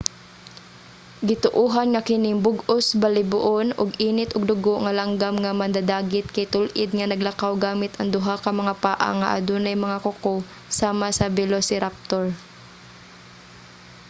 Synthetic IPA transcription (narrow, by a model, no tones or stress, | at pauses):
ɡɪt̪ʊʔuːɦanŋakɪnɪŋbʊɡʔosbɐlɪbʊʔonʊɡiːnɪt̪ʔʊɡ̚d̪ʊɡoʔŋɐlaŋɡamŋamɐnd̪ad̪aːɡɪt̪̚kɐjt̪ʊlʔɪd̪̚ŋɐnɐɡ̚lɐkawɡaːmɪt̪ʔɐŋd̪ʊɦakɐmɐŋapaːʔa̰ŋa̰ʔa̰d̪ʊnɐjmɐŋakʊko | saːmasɐbɛlosɪɾap̚t̪oɹ